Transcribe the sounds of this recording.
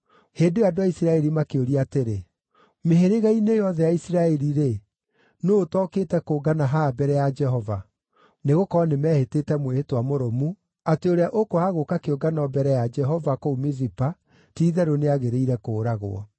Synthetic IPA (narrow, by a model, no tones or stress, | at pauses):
heːndeadoaisiɾaɛɾimakeoɾiateɾe | meɦeɾeɣainejɔðɛjaisiɾaɛɾiɾe | noːtɔketɛkoːɡanaɦabɛɾɛjad͡ʒɛɦɔva | neɣokɔɔnemɛːhetetɛmwehetwamoɾɔmu | ateoɾeaʔokohaɣokakeoɡanɔbɛɾɛjad͡ʒɛɦɔvakoumezipa | tiːðɛɾoneaɣeɾeiɾɛkoːɾaɣo̰ɔ̰